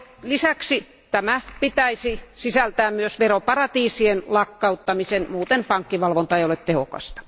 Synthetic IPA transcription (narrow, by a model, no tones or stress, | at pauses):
lisæksi | t̪æmæpit̪æisisisælt̪æːmmyøsʋeropɑrɑt̪iːsienlɑkːɑut̪ːɑmisenmuːt̪enpɑŋkːiʋɑlʋont̪ɑeijolet̪t̪ehokɑ̰st̪ɑ̥